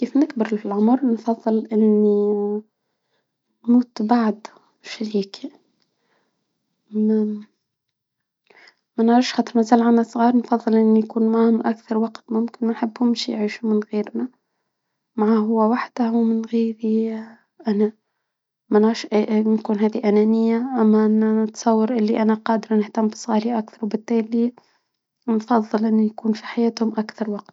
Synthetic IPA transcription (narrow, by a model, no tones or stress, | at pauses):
kiːfnɪkbəɾɪlfɪlʕʊmɾnfɑðˤːɨlʔɪnːi | nmuːt̪baʕd̪ | ʃaɾiːki | mænʕɾɑfʃxɑːt̪ˤəɾmæzæːlʕanːæsˤɣɑːɾˤnfɑðˤːɨlʔɪnːijkuːnmaʕhʊmʔækθɑɾˤwɑqt̪mʊmkɪnmænħɪbːhʊmʃijʕiːʃumɪnɣiːɾnæ | maʕaɦʊwːæwaħd̪̥æhwmɪnɣiːɾi | ʔænæ | mænʕɑɾʃʔnkuːnɦæːðiʔænænɪjːaʔæmːæʔɪnːænət̪sˤɑwːɑɾʔɪlːiʔænæqɑːd̪əɾnɪht̪amːbi̥sˤɣɑːɾiʔakθɑɾwbɪt̪ːæːli | nfɑðˤːɨlʔɪnːijkuːnfiħajæːt̪hʊmʔakθɑɾˤwɑqt̪̚